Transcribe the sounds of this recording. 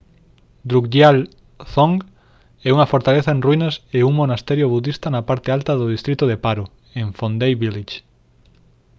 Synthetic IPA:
d̪ɾukd̪jal | θõŋɡ | ɛuŋɐfoɾt̪aleθɐenrwinɐseuŋmonast̪ɛɾjoβuðist̪ɐnɐpaɾt̪ɪalt̪ɐðʊðist̪ɾit̪ʊðepaɾʊ | eɱfond̪ejβilit͡ʃ

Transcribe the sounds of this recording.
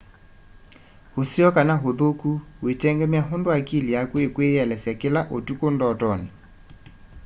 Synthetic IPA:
hosiɔkanaɦoðokuwetɛŋɡɛmjaɦondoakiliakwekweɛlɛsjakelaʔotukondɔtɔni

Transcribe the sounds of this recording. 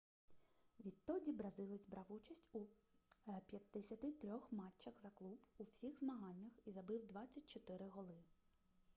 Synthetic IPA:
ʋʲid̪̚t̪ːɔdʲibɾɐzɪlˠɪzʲbɾɑwut͡ʃɐsʲtʲu | pʲjɐd̪ːesʲɐt̪ɪt̪ɾʲɔxmɑt͡ʃːɐxzɐklˠubuwsʲixzmɐɦɑnʲːɐxizɐbɪwd̪ʋɑt͡sʲːɐt̚ʲt͡ʃɔt̪ɪɾɪɦɔlˠɪ

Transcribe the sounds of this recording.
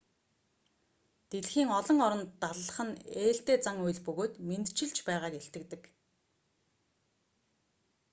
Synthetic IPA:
t̪eɮxiːŋɔɮɞ̆ŋɔɾɞ̆nt̪aɮəɮə̆χə̆neːɬt̪eːt͡saŋujɮpɵɣoːt̪ment̪t͡ɕɪ̆ɮt͡ɕpæːʁaːkeɬt̪ɘ̆k̚t̪ɘ̆k

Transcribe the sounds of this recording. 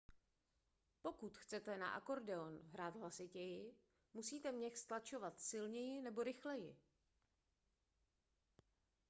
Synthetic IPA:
po̞kut̪xt͡sɛt̪ɛna̰ʔa̰ko̞ɾdɛonɦɾaːt̪ɦlasɪcɛjɪ | musiːt̪ɛmɲɛxst̪lat͡ʃo̞vat̪sɪlɲɛjɪnɛbo̞ɾɪxlɛjɪ

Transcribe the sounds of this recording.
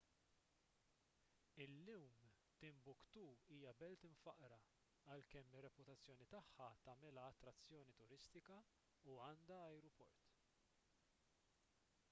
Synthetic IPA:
ɪlːuwm | t̪ɪmbʊkt̪uːiːjɐbɛlt̪ɪɱfɐʔɾɐ | ɐlkɛmːɪrːɛpʊt̪ɐt͡sːjɔːnit̪ɐħːɐt̪ɐmɛlɐːt̪ːɾɐt͡sːjɔːnit̪ʊɾɪst̪ɪkɐ | uɐːnd̪ɐɐjɾɔpɔ̰ɾt̪

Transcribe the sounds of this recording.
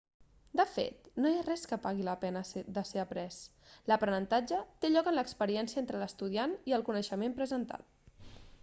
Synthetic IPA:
d̪əfḛt̪nojarɛskəpaɣiləpɛnəd̪əseəpɾɛs | ləpɾənənt̪ad͡ʒət̪eʎɔkənləkspəɾiɛnsiəent̪ɾələst̪uð̞ianiəlˠkunəʃəmempɾəzənt̪a̰t̪

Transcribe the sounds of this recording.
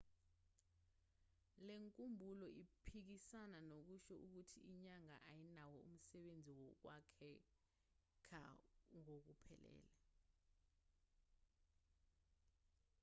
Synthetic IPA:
leŋkʼumbʱulɔʔipʰik̬isananok̬uʃɔʔuk̬utʰiiɲaŋa̰ʔajinawɔum̩sɛɓend͡zʱiwɔk̬wakʰɛ | kʰa̰ŋok̬upʰɛlɛ̰ːlɛ

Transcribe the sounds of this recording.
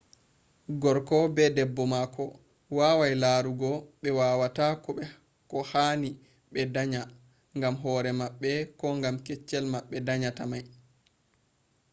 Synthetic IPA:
ɡɔɾkɔbɛdɛbːɔmakɔ | waːwajlaɾuɡɔɓɛwaːwatakɔɛ | kɔhaːni | ɓɛdaɲa | ŋɡamɦɔːɾɛmaɓːɛkɔŋɡamkɛt͡ʃːɛlmaɓːɛdaɲatamaj

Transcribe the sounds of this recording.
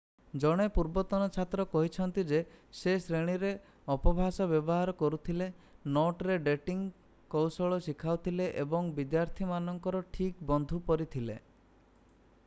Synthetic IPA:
d͡ʒɔɽ̃epuɾbɔt̪ɔnɔt͡ʃʰat̪ɾɔkɔɦit͡ʃʰɔnt̪id͡ʒesesɾeɽ̃iɾe | ɔpɔbʱasɔbjɔbɔɦaɾɔkɔɾut̪ʰilenɔʈɾeɖeʈiŋ | kɔwsɔɭɔsikʰawt̪ʰileʔebɔŋbid̪jaɾt̪ʰimanɔŋkɔɾɔʈʰikbɔnd̪ʱupɔɾit̪ʰilḛ

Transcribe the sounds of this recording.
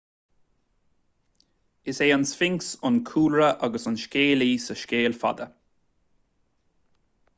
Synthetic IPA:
ɪseːansfɪŋksʊnkʰuːlɹəʔaɡəsʊnʃkʲeːliːsəʃkʲeːlfa̰d̪ə

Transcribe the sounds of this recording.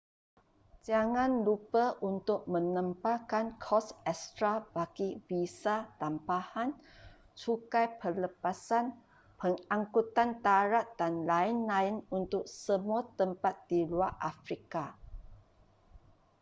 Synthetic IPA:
d͡ʒaŋãnlupaʔunt̪ʊk̚mə̃nə̃mpakankʰɔsɛst̪ɾabaɡ̥ibisat̪ampahan | t͡ʃukajpərləpasan | pəŋaŋkut̪ant̪aɾat̪̚d̥anlaɪnlaɪnunt̪ʊk̚səmuat̪əmpat̪̚diluarʔafɾika

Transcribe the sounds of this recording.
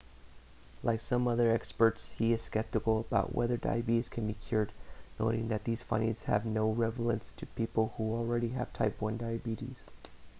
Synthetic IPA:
lʔaɪksʌ̃mʌðə˞ɛkspə˞tshiɨz̥skɛp̚tɨkl̩ˠəbaʊʔwʔɛ̰ðə˞da̰ɪɨbiɾz̥kʰɨ̃nbikʰj̥ʊɹdⁿnoʊɾɪ̰̃ŋðɨt̪̚ðiz̥fʌ̰̃ñḭz̥hɨ̰vnoʊɹɛvl̩ˠə̃nstʰɨpʰipl̩ˠhul̩ˠɹɛɾiɨ̰v̥tʰaɪpwʌ̃ndaɪɨbiɾḭz̥

